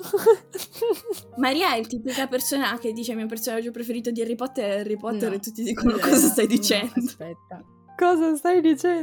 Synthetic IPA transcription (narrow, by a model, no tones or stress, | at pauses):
maɾiːaɛilt̪iːpikapersoːnak̟ed̪ːiːt͡ʃeamiap̬ersoːnad͡ʒɔpːɾefeɾiːt̪̬od̪iaripɔt̪ːeɾarːipɔt̪ːeɾet̪ːut̪ːid̪iːkonokɔːzast̪ajd̪it͡ʃɛnd̪opɛt̪ːa | kɔzast̪ajd̪it͡ʃɛ